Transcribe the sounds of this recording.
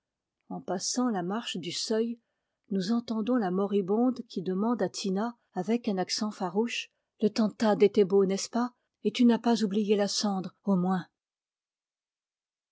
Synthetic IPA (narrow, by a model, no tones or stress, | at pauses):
ɑ̃pasɑ̃lamaʁʃd̪ysœj | nuzɑ̃t̪ɑ̃d̪ɔ̃lamɔʁibɔ̃d̪kʲʰid̪əmɑ̃d̪at̪ʰinaː | vɛkɛ̃naksɑ̃faʁuʃ | lət̪ɑ̃t̪ad̪et̪ɛbonɛspa | et̪ynapazublijelasɑ̃d̪ʁomwɛ̃